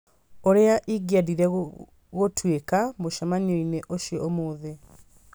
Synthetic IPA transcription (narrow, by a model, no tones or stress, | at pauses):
oɾeaʔiɡiaðiɾɛ | ɣotwekamoʃamaniɔineʔoʃjɔomoːðe